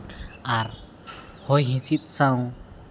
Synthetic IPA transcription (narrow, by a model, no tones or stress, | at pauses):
ar | hɔjɦĩsit̪̚saw̃